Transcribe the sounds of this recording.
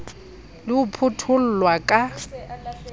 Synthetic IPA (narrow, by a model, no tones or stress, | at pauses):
lɪʊpʰʊtʰʊl̩lwakʼa